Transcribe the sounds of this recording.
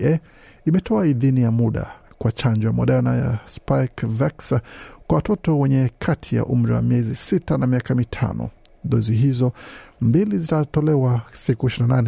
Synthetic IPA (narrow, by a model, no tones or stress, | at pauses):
ɛ | imɛtʰɔaiðinijamuɗa̰kwat͡ʃand͡ʒɔjamɔɗɛɾnaja̰spakvaksakwawatɔtɔwɛɲɛkʰatʰija̰ʔum̩ɾiwa̰miɛzisitanamiakamitʰa̰nɔ̰ðɔziɦizɔmbilizitatɔlɛwasikuɛʃiinananɛ